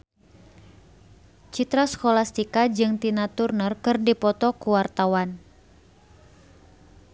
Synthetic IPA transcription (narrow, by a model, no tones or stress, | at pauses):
t͡ʃit̪ɾaskolast̪ikad͡ʒɨŋt̪inat̪urnərkɨrdipɔt̪ɔkuwart̪awan